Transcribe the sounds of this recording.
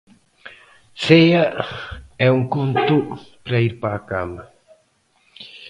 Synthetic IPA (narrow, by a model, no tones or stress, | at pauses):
sejɐ | ɛuŋkont̪upɾɐiɾpaːkamɐ